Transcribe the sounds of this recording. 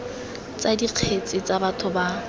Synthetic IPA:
t͡sadiq͡χʰet͡sʼɪt͡sʼabatʰʊba

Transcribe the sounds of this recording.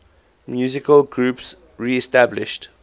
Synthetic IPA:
mjuːzɪkəlɡɹuːps | ɹiɛstæblɪ̰ʃt

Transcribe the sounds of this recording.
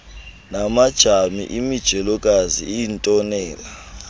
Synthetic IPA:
namad̥ʒ̥ʱamḭʔimid̥ʒ̥ʱɛlɔk̬ʼaziintʼɔnɛːla

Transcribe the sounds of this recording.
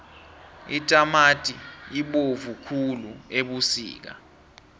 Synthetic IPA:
itʼamatʼiiɓovukʰulueɓusḭːk̬a̰

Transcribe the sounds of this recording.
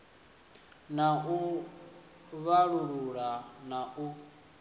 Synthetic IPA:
nau | βaɺuɺuɺanaʔu

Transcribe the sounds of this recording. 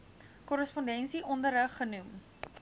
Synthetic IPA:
kɔɾəspɔndɛnsiʔɔndəɾəχːənum

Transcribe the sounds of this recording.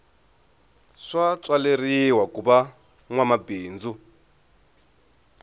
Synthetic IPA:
ʂat͡sʼwaleriwakuβa | ŋwamabiːnd͡zu

